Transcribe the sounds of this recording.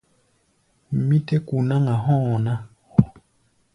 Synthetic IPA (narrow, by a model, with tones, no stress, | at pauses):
mi˦tɛ˦ku˨na˦ŋa˨ɦɔ̃˦˨na˦˨